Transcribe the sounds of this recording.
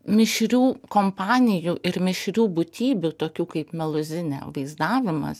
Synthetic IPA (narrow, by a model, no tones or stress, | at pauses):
mʲɪʃʲɾʲuːkoːmpɑːnʲɪjuːʔɪɾmʲɪʃʲɾʲuːbʊt̪ʲiːbʲuːt̪oːkʲuːkɐɪpmʲɛlˠʊzʲɪnʲɛ̰ːʋɐɪzd̪ɑːʋʲɪmɐ̰s